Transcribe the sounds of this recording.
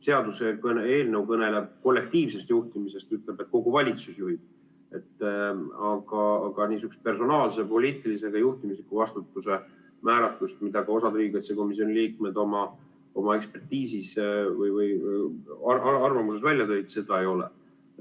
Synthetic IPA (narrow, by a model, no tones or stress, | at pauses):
se̞ɑd̪usekɤne̞ːlnewkɤne̞le̞b̥̚ko̞lːe̞k̚t̪iːvse̞st̪juht̪imisest̪yt̪ˑle̞b̥et̪̚ko̞ɡ̥uvɑlʲit̪susjuɦib̥̚ | e̞t̪ː | ɑɡ̥ɑɑɡ̥ɑniːsykustpe̞rso̞nɑːlse̞po̞lʲiːt̪ˑilise̞ɡ̥ɑjuht̪imislikːuvɑst̪ut̪ːˑuse̞ | mæːɾɑt̪lust̪mid̪̥ɑɡɑo̞sɑd̪ɾiːɡet̪seko̞mis̬io̞niliːk̚med̪o̞mɑ | o̞mɑe̞kspe̞rt̪iːsisvɯjvɯj | ɑɑɑrvɑmusesvælʲjɑt̪ø̞jd̪se̞d̪ɑe̞jo̞lḛ